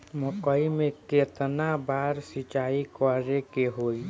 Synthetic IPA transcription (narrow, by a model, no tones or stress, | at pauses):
mʊkəimẽkeːt̪nabaːɾsɪt͡ʃaːikɔɾekeɦoːi